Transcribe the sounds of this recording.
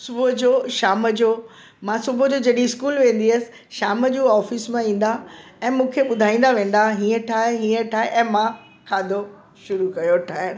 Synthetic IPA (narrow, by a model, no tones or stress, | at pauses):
sʊbʱd͡ʑoːʃaːməd͡ʑoː | mãsʊbʱʊd͡ʑoːd͡ʑɐɗĩɪskuːlʋẽːn̆d̪iəsɪ̥̆ | ʃaːməd͡ʑũːɔːfɪsmãĩːn̆d̪a | ɛ̃ːmũːkʰeɓʊd̪ʱaːĩːn̆d̪aʋẽːn̆d̪aɦĩːə̃ʈʰaːɦĩːə̃ʈʰaːɦeʔɛ̃ːmã | kʰaːd̪ʱo | ʃʊɾukɐjoʈʰaːe